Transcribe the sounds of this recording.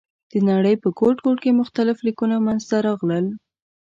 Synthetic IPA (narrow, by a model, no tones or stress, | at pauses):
d̪̥ənaɽəjpəkoʈkoʈkemʊxt̪alɪflikunamanzt̪aɾɑɣləl